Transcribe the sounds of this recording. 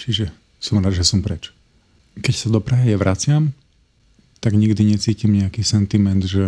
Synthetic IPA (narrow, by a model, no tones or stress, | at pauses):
t͡ʃiʒɛ | sɔmɾaːd̪ʒɛsɔmpɾɛt͡ʃ | kɛcsad̪ɔpɾaɦijɛʋɾʔat͡sɪam | t̪aɡɲiɡd̪iɲɛt͡siːcimɲɛakiːsɛnt̪imɛnd̪ʒɛ